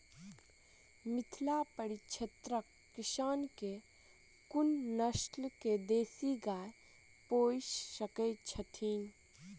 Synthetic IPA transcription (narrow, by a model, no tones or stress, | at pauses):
mɪt̪ʰlapəɽit͡ʃʰɐt̪ɾəkːɪʃaːnke | kʊnːəʃʈlked̪eːsiɡaː | poːssəket͡ʃʰət̪ʰiːn